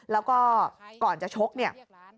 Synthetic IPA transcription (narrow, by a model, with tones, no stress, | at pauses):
lɛː˦˥wkɔː˥˩kɔː˨˩nt͡ɕa˨˩t͡ɕʰo˦˥k̚ni˥˩ə